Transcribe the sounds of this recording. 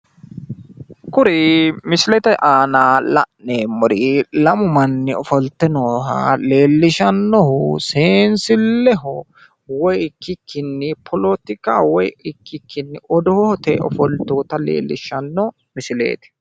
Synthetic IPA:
kʊɾɪmɪsɪlɛt̪ɛʔaːnaːlɐ̰ʔneːmːɔɾɪlɐmʊmɐnːɪɔfɔlt̪ːɛnoːɦɐ̰le̞ːlːɪʃɐnːɔhʊseːnsɪlːɛɦɔ | wɔjɪkːɪkʰːɪnːɪpʰɔlɔt̪ɪkaːwɔjɪkːɪkːɪnːɪʔɔd̪ɔhɔhɔt̪ɛɔ̰fɔlt̪oːt̪ɐlḛːlːɪʃɐnːɔ | mɪsɪlḛːt̪ɛ̥

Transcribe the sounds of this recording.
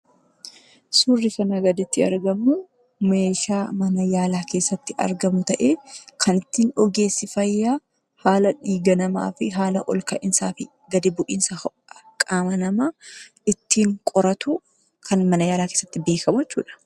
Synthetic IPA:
suːrːɪkɐnɐɡɐd̪ɪt̪ːɪɐ̰ɾɡɐmːʊ | me̞ːʃaːmɐnɐjaːlaːke̞ːsːɐt̪ːɪʔɐ̰ɾɡɐmʊt̪ɐʔeːkʰɐnɪt̪ːiːnɔɡe̞ːsːɪfɐjːaː | haːlɐᶑiːɡɐnɐma̰ːfɪɦaːlɐʔɔlkɐʔɪnsaːfɪ | ɡɐd̪ɪbʊʔiːnsɐɐ | ɐkʼaːmɐnɐmaː | ɪt̪ːiːŋkʼɔɾɐt̪ʊ | kʰɐnmɐnɐjaːlaːkeːsːɐt̪ːɪbe̞ːkɐmʊɛt͡ʃːṵːᶑɐ̥

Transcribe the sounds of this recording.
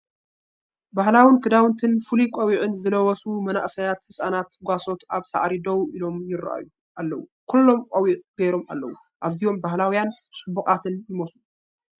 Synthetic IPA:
bahlawinkʰɨd̪awɨnt̪ʰɨnfulikʼɐwiʕɨnzɨlɐwɔsumɐna̰ʔsɐjat̪hɨsʼanat̪ɡʷaso̞t̪aβsa̰ʕɾid̪ɐwʔilo̞mjɪɾa̰ʔa̰ju | ʔalːɐwṵkʰulːo̞mkʼɐwiʔʼɡ̥ɐjɾo̞ma̰lːɐ̰wu | ʔaβzijo̞mbahlawjan | sʼɨbukʼat̪ʰɨnjɪmosu

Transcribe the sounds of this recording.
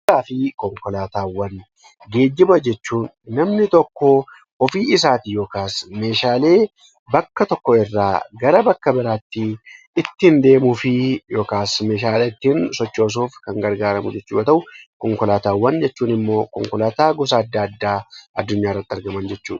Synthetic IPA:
aːfɪkɔŋkɔlaːt̪aːwːɐn | ɡe̞ːd͡ʒːɪbɐd͡ʒɛt͡ʃːuːnːɐmnɪt̪ɔkːɔ | ɔfiːɪsaːt̪ɪjo̞ːkaːsme̞ːʃaːle̞ː | bɐkːɐt̪ɔkːɔɪrːa̰ːɡɐɾɐbɐkːɐbɪɾaːt̪ːɪ | ɪt̪ːɪhɪnd̪e̞ːmʊfɪjo̞ːkaːsme̞ːʃ̬aːleːt̪ːiːnsɔt͡ʃːo̞ːs̬oːfkɐŋɡɐɾɡaːɾɐmʊ̰d͡ʒɛt͡ʃːuːʔɐt̪ɐʔʊkɔŋkɔlaːt̪aːwːɐnd͡ʒɛt͡ʃːuːnɪmːo̞ːkɔŋkɔlaːt̪aːɡɔs̬aɐd̪ːaɐd̪ːaːʔɐd̪ːʊɲːaːɪrːɐt̪ːɪɐɾɡɐmɐnd͡ʒɛt͡ʃːṵːᶑ

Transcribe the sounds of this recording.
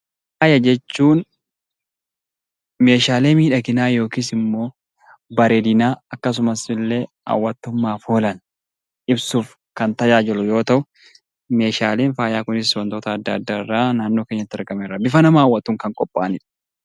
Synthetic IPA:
faːjɐd͡ʒɛt͡ʃːuːn | me̞ːʃaːle̞ːmiːᶑɐɡɪnaːjo̞ːkisɪmːo̞ː | bɐɾeːd̪ɪnaːɐkːɐs̬ʊmɐsɪlːe̞ːhɐ̰wːɐt̪ːʊmːaːfoːlɐn | ʔɪbsuːf | kɐnt̪ɐjaːd͡ʒɛlʊjo̞ːt̪ɐʔʊ | me̞ːʃaːle̞ːnfaːjaːkʊnɪswɐnt̪oːt̪ɐːd̪ːaːd̪ːaːɪrːaːnaːnːo̞ːkeːɲːɐt̪ːɪɐɾɡɐmeːrːɐbɪfɐnɐmaːwːɐt̪ːuːŋkɐŋkʼɔpʼːa̰ːnɪᶑɐ̥

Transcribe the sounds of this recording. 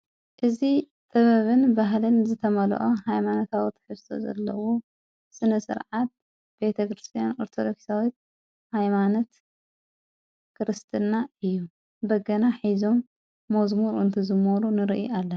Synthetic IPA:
ʔɨzi | t̪ʼɐβɐβɨnbaɦlɨnzɨt̪ʰɐmɐl̰ʔohajmanot̪ʰawit̪ʰħɨfsʰo̰zɐ̰lːɐ̰wo | sɨnɐsɨ̰ɾʕat̪̚ | b̥e̞t̪ʰɐkɾɨst̪ʰijanoɾt̪ʰod̪oksawit̪̚ | hajmanot̪ | kɨɾɨst̪ʰɨnːaɨjːu | bɐɡɐnaħizo̞mː | ozmuɾɨ̰nt̪ʰɨzɨmːoɾunɨɾiʔiʔalːɐ

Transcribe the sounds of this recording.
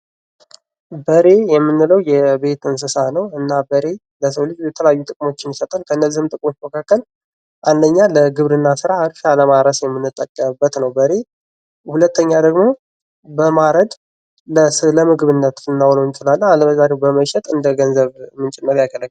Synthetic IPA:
bəɾe̞jɛmːɨnːɨləwjɛbe̞t̪ɨns̬ɨsanəwɨnːabəɾe̞ | ləs̬əwlɨd͡ʒjɛt̪ʰələjajːut̪ʼɨkʼmo̞t͡ʃːɪnjɪsət̪ʼalkʰəɨnːəzihɨmt̪ʼɨkʼmo̞t͡ʃːməkʰakːəl | ʔand̪əɲːaləɡɨβɾɨnːasɨɾaɨɾʃaləmaɾəsjɛmːɨnːɨt̪ʼːəkʼːəmbːət̪nəwbəɾe̞ | hulət̪ʰːəɲːad̪əɡmo̞ | bəmaɾəd̪ | ləsɨləmɨɡɨβɨnːət̪ɨnːawlont͡ʃʼɪlalːalbəzaɾewbəməʃɛt̪ʼɨnd̪əɡənzəβmɨnt͡ʃʼɛnːəɾjakʰələkː

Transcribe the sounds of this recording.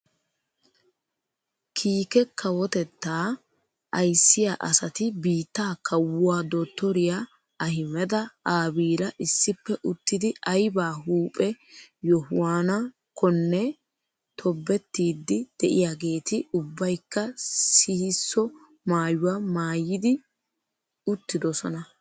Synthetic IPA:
kʰiːkɛkʰːɐwɔt̪ɛt̪ːaː | ʔɐjsːɪjaʔɐsɐt̪ɪbiːt̪ːaːkɐwʊwaːd̪oːt̪ːɔɾɪja | ɐhɪmɛd̪ɐaːbiːlɐʔɪsːɪpːɛʔʊt̪ːɪd̪ɪɐjbaːɦuːpʼɛjɔhʊwaːnɐ | kɔnːɛ | t̪ʰɔbːɛt̪ːiːd̪ːɪd̪̥ɛʔɪ̰jaɡe̞ːt̪ɪʊbːɐjkːɐsɪhɪsːɔ | maːjʊwamaːjːɪd̪ɪ | ʊt̪ːɪd̪ɔsɔnɐ

